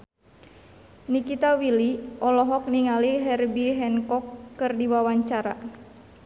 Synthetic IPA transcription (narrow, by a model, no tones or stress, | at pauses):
nikit̪awiliɔlɔɦɔk̚niŋaliɦɛrbiɦɛnkɔkːɨrdiwawaɲt͡ʃaɾa̰